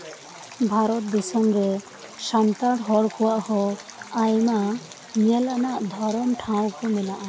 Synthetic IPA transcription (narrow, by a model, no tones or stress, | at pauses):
bʱaɾɔt̪̚d̪ɛsɔmɾɛ | ʃant̪aɽɦɔɽkʰɔwaʔhɔajma | mɛlanaʔd̪ʱɔɾɔmʈʰãw̃kɔmɛnaʔa